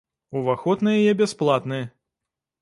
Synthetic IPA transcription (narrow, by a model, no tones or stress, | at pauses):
uvaxɔt̪nɨjɛajɛbʲɛsplˠat̪nɨjɐ